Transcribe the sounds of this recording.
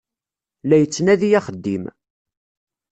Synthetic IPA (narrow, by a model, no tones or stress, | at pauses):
læjət͡sːnæðijæχəd̪ːim